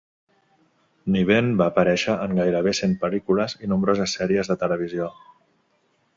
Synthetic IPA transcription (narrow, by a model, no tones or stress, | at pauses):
niβ̞enbaːpəɾɛʃəʔəŋɡajɾəβ̞esenpəlikuləzinumbɾozəsːɛɾiəzðət̪ələβ̞izio